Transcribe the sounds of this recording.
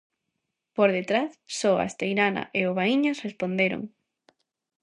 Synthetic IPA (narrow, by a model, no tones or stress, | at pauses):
poɾðet̪ɾaθsɔa̰st̪ejɾana̰ʔeoβ̞aiɲosrespond̪eɾo̰ŋ